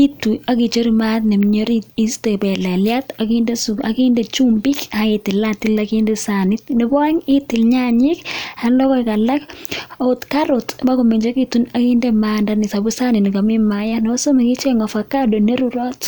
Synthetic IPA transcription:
i˦tu˨a˦ki˨t͡ʃo˦ɾimatnɛ˨mɲo˦ɾii˦stebɛ˨lɛ˨ljata˨kindɛ˦sua˨ki˦ndɛt͡ʃumbɪ˦kaitɪ˨lati˦lakindɛ˦sanɪt̚nɛ˨bɔ˦ŋɪ˦tɪ˨lɲaɲɪ˦kha˨nlɔ˦kɔ˦ka˨la˦ko˦ʊ˦tkaɾotba˦kɔ˨me˨ɲd͡ʒa˦kitunakindɛmandanɪ˨sa˨bu˦sa˦nɪ˨nɪ˨ka˨mɪ˦maja˦nɔso˦mɛ˨ki˦t͡ʃɛ˦ŋɔ˨fa˨kado˨ne˦ɾuɾɔ˦t

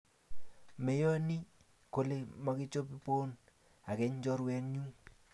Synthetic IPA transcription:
mɛ˨jɔ˦ni˦ | ko˦le˦mɔ˨˦kɪ˦t͡ʃo˦pi˦po˦n | a˨kɛ˨ɲ˦d͡ʒɔ˦ɾwɛ˦nɲu˦ŋ

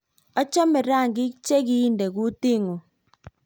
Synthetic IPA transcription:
ɔ˦t͡ʃɔ˦mɪ˨ɾa˦˨ŋɡɪ˦kt͡ʃe˦ki˦nde˨ɣu˦ti˦ŋo˨

